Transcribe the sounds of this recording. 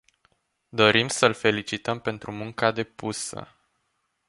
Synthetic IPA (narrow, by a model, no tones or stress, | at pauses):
d̪o̞ɾimsəlfe̞lit͡ʃit̪əmpe̞nt̪ɾumuŋkad̪e̞pusə̰